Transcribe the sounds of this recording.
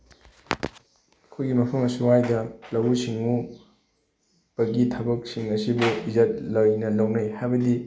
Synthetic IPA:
ɐkʰujɡimɐpʰɐmɐsuwajdɐlɐwusiŋu | b̥ɐɡitʰɐbɐk̚siŋɐsibuizɐt̚lojnɐlɐwnɐjhajbɐdi

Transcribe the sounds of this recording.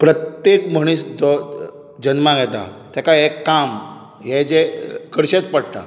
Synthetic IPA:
pɾət̪jekm̤əɽ̃iːsd͡zɔ | d͡ʑənmãɡɛt̪a̰t̪jakaekːam | ɦɛd͡zekəɾɕet͡spəɽt̪a̰

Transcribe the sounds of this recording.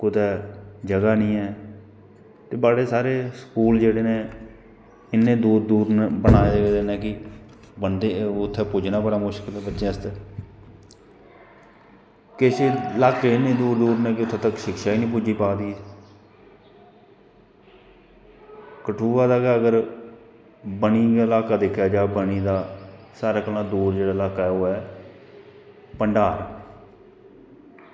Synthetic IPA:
kʊt̪ɛːd͡ʒəɡaːnĩːɛː | t̪eːbaːɽeːsaːɾeːsəkuːld͡ʒeːɽeːnẽː | ɪnːẽːd̪uːɾd̪uːɾnbənaːed͡ʒeːd̪eːnɛːkɪ | bənd̪eːʊt̪ʰːɛːpʊd͡ʒnaːbəɽaːmʊʃkɪlɛːbətːʃẽːəst̪ɛː | kɪseːlaːkeːnĩːd̪uːɾd̪uːɾnɛ̃ːkɪʊt̪ʰːeːt̪əkʃɪkʃaːiːnĩːp̬ʊd͡ʒiːpaːd̪iː | kəʈʰuːaːd̪aːɡaːəɡəɾ | bəniːəlaːkaːd̪ekʰjaːd͡ʒaːbəniːd̪aːsaːɾaːkəlãːd̪uːɾd͡ʒeːɽaːɪlaːkaːɛːoːɛː | pəɳɖaːɾ

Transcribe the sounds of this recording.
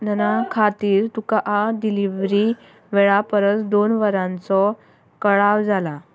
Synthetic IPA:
nənakʰat̪iːɾt̪ukaʔaɖiliʋɾi | ʋeɭapəɾət͡sd̪onʋəɾãnt͡sɔ | kəɭaʋd͡zala

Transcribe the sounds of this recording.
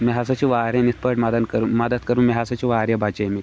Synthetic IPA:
miɦasat͡ɕiʋaɾjanit̪̚ʰpəʈməd̪ənkəɾməd̪ət̪kəɾuːnmiɦasat͡ɕiʋaɾjabat͡ɕami

